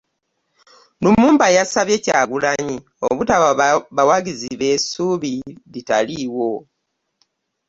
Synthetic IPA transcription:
numuːmbajasaβje̞caːɡulaɲi | o̰βutaβaβawaɡiziβe̞suβiditaliwo̞

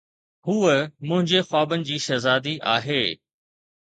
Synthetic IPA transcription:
huːəmʊ̃ɦɪ̃ɲd͡ʑexwaːbənɪ̆d͡ʑiːʃɐzaːd̪iʔaːɦeː

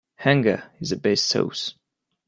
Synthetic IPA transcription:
hæ̃ŋɡəɪzɨt̚b̥eɪstʰo̰ʊs

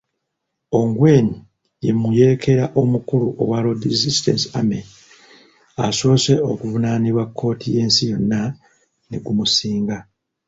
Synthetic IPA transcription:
o̞ŋɡwe̞ːni | je̞muje̞ekʰe̞ɾaʔo̞mukuɾuʔo̞̰walo̞dizistḛnsiame | aso̞ːse̞o̞kuvunaniβwakʰːo̞ːtʰije̞ːnsijo̞nːa | ne̞̰ɡumusiːŋɡa

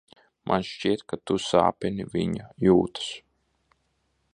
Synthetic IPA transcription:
mʔa̰nʃt͡ʃiɛt̪kat̪usa̰ːpʲɛniviɲajuːt̪ḁs

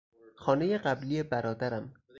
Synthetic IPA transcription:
xɒːne̞jeɢæblijebæɾɒːd̪æɾæm

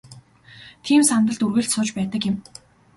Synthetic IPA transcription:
t̪ʰiːmsant̪ə̆ɮt̪urɣɘ̆ɬt̪sʊːt͡ɕpæːt̪ə̆kjɪ̆m

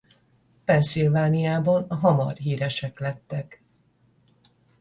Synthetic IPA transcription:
pɛnsilvaːnijaːbonɒɦɒmɒ̰rɦiːɾɛʃɛklɛt̪ːɛk

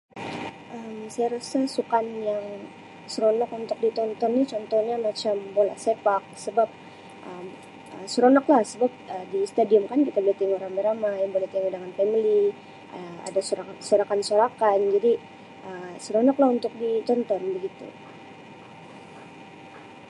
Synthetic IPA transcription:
ʔəmsajaɾasasukanjaŋ | səɾonɔkunt̪ʊk̚dit̪ɔnt̪ɔnːit͡ʃɔnt̪ɔnɲamat͡ʃambola̰hsepak̚səbap̚ | ʔəm | ə̰səɾonɔklahsəbap̚ədist̪adiɔmkankit̪ablat̪iŋoɾaŋbəɾamajaŋbolat̪iŋadəŋanpɛmli | əa̰dasoasoɾakansoɾakand͡ʒadi | ʔəsəɾonɔklahunt̪ʊk̚dit̪ɔnt̪ɔnbəɡit̪ṵ

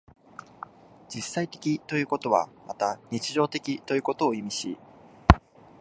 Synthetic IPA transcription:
d͡ʑisːait̪e̞̥kʲit̪o̞jɯ̟ːko̞t̪o̞βa̰mat̪aɲ̟it͡ɕiʑo̞ːt̪e̞kʲit̪o̞jɯ̟ːko̞t̪o̞ːimʲiɕḭ

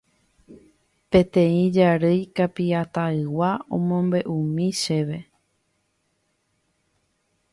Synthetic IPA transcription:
pẽ̞t̪ẽ̞ĩd͡ʒaɾɨjkapiat̪aɨwaõmõ̞mbe̞ʔũmĩʃe̞ʋe̞

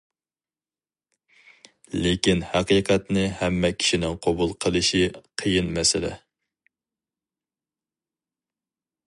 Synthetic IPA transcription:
lekʲinhɑqiqʰɑt̪nɨhɛmːɛkʲʰi̥ʃinɪŋqʰɑbulˠqʰəlˠɨʃiqʰəjinmɛsɪlɪ̰

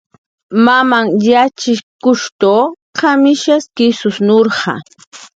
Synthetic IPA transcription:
mamaŋjat͡ʃɪkʊʃt̪o | qamɪʃaskɪsʊsnoɾɢɑ̰

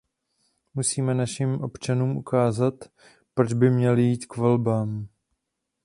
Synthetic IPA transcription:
musiːmɛnaʃɪmʔo̞pt͡ʃanuːmʔukaːzat̪ | pɾo̞d͡ʒbɪmɲɛlɪjiːt̪kvɛlbaːm

